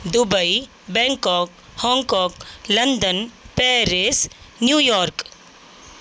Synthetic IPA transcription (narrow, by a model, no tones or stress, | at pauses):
d̪ubəi | bɛ̃ŋkɔːk | hɔ̃ːŋkɔːklɐnd̪ənpɛːɾes | njuːjɔːɾk